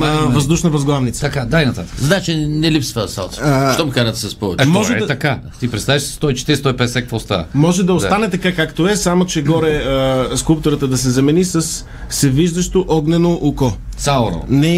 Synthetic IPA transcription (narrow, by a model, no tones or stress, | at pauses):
vɐzd̪uʃnɐvɐzɡlˠavnit̪sɐkad̪ajnɐt̪at̪ə̥kzɐd̪at͡ʃɛnɛlipsvəsa̰lˠt̪ːʃt̪ɔmikanɐt̪ɛsɐspɔvɛt͡ʃɛtmɔʒɛɛt̪ɐka | t̪ipɾɛt̪st̪aviʃsst̪ɔit͡ʃɛ̥t̪iɾist̪ɔipɛd̪ɛsɛkvolst̪a̰mɔʒɛd̪ɐost̪anɛt̪ɐkakakt̪oɛsamot͡ʃɛɡɔɾɛəskulˠpt̪oɾət̪əd̪ɐsɛzɐmɛnisɐsː | ɛviʒd̪ɐʃt̪oʔɔɡnɛnoʔukɔt̪saʊɾo̰nɛ